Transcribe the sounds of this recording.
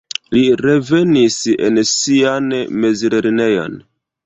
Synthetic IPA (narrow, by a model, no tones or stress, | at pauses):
liɾe̞ve̞nisḛnsianme̞ziɾeɾene̞jo̰n